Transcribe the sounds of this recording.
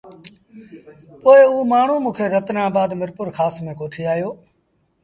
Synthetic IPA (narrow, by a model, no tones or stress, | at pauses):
poːɪuːmaːɳ̤ũːmũːkʰeːɾət̪nãːbaːd̪mɪɾpʊɾkʰaːsmẽːkoːʈʰiːaːjoː